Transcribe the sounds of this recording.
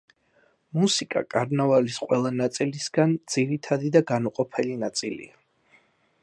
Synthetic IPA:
musikʼa̰kʼaɾnavalisqʼwɛlˠanat̪sʼilisɡand̪z̥iɾit̪ʰad̪id̪aɡanuqʼɔpʰɛlinat̪sʼilḭa

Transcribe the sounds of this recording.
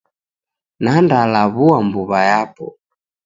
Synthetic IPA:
nandalaβuambuβajapɔ

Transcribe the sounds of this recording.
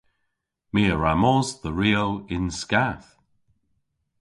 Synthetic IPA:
miːəɹamɔzðəɹiːowɪnskaθ

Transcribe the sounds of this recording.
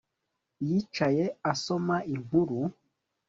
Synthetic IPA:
jit͡ʃaje̞aso̞maiŋ̥huɾu

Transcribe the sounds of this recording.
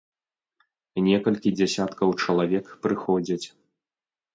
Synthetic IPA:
nʲɛkɐlʲkʲid͡zʲasʲat̪kɐwt͡ʂɐlˠavʲɛkpɾɨxɔd͡zʲɐt͡sʲ

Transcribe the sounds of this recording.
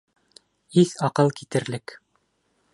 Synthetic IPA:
iθɑqɤlˠkit̪ɘ̆ɾlɘk

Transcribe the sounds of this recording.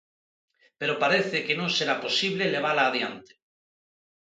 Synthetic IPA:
peɾopaɾeθekenõŋseɾaposiβ̞leleβ̞alaːðjant̪e̥

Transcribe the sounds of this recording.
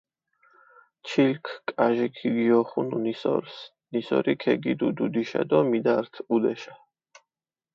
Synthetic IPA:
t͡ʃʰilkʰkʼaʒikʰiɡiɔχununisɔ̰ɾs | nisɔ̰ɾikʰɛɡid̪ud̪ud̪iʃa̰d̪ɔmid̪aɾt̪ʰud̪ɛʃa

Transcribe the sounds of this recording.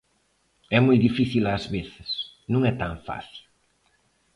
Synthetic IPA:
ɛmojðifiθilazβeθɪs | nũŋɛt̪aɱfa̰θil

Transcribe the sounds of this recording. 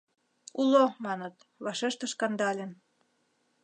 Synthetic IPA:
ulomɑnət̪ | βɑʃeʃt̪ə̆ʃkɑnd̪ɑlʲen

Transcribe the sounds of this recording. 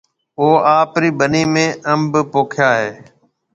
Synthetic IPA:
oːaːpɾiːɓəniːmẽːʔəmbpoːkʰjaːɦeː

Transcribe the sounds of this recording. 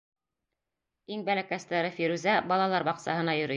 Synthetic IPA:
iŋbælækæst̪æɾɘfiɾʉzæbɑlˠɑlˠɑɾbɑqsɑ̰ɦɤ̆nɑjɵ̆ɾɘ

